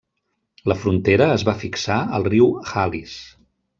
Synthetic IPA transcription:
ləfɾunt̪eɾəːzβafiksaəlˠriwxalis

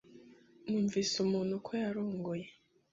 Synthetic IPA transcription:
muɱvisomonokʰojaɾoːŋɡoje

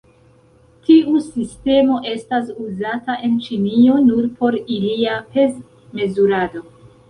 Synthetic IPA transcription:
tiusiste̞mo̞ʔe̞stas̬uzataʔe̞nt͡ʃinio̞nuɾpo̞ɾiliape̞z | me̞zuɾado̞

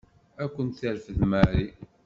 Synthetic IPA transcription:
ækʷːənt̪θəɾfəðmæɾi

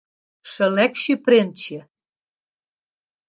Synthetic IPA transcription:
ʃɘ̆lækʃypɾent͡ɕe

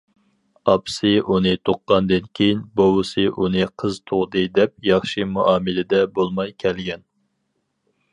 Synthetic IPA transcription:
ɑpsɨʔunɨt̪ʰoqːɑnd̪ɨnkʲʰejinbowɨsɨʔunɨqʰəzt̪ʰoʁd̪ɨd̪ɛp̚jɑχʃɨmuʔɑːmɨlɪd̪ɛbolˠmɑjkʲʰɛlɡʲɛn

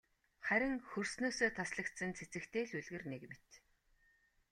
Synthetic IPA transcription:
χæɾʲɪ̆ŋxɵrsnoːsoːt̪ʰasɮə̆kt̪sə̆nt͡sʰet͡sɘ̆kt̪ʰeːɮuɮɣĕrnekmet̪

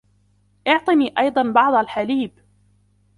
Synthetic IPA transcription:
ʔɪʕt̪ˤɨniːʔɑjd̪ˤɑnbɑʕd̪ˤalħaliːb

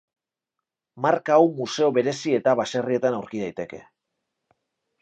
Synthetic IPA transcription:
markaːwmuse̞o̞βe̞ɾe̞sie̞t̪aβase̞rie̞t̪anawɾkiðajt̪e̞ke̞̰

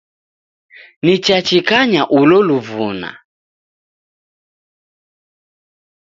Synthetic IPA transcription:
nit͡ʃat͡ʃikaɲaʔulɔluvuna̰

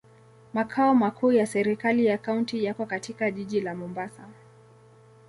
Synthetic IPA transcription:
makʰaɔmakʰuːjasɛɾikalijakauntijakɔkatikaʄiʄilamɔmbasa

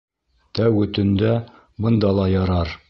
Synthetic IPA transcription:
t̪æwɵ̆t̪ɘ̆nd̪æ | bɤ̆nd̪ɑlˠɑjɑɾɑɾ

